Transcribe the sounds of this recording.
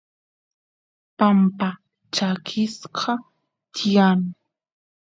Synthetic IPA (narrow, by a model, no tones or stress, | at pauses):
pampa | t͡ʃakʰɪsqʰɑ | t̪ʰɪjaŋ